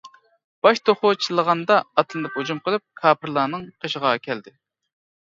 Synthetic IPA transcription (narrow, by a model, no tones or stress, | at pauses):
b̥ɑʃt̪ʰoχʊt͡ʃʰilˠəʁɑnd̪ɑɑt̪lˠɨnɨphod͡ʒumqʰəlˠɨp̚kʰɑːpʰɨɾlˠɑːnɨŋqʰəʃəʁɑkʲʰɛld̪ɪ